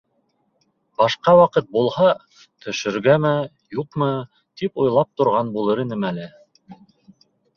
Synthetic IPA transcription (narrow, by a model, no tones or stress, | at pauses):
bɑʃqɑwɑqɤt̪̚bulˠhɑ | t̪ʰɵ̆ʃɵ̆ɾɡæmæ | juqmɤ | t̪ipŏjlˠɑp̚t̪ŏɾʁɑnbulˠɤɾinɘmælɘ